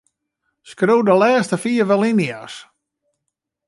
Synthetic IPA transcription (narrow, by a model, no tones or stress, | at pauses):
skroːdəlɛːstəfiəʋɛlˠinias